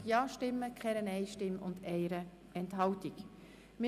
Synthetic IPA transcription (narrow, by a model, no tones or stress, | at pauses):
jɑːʃtɪmːəkʰɛɾənɛɪʃtɪmʊ̰nd̪ɛɪɾə | ɛnthɑwtik | mɪ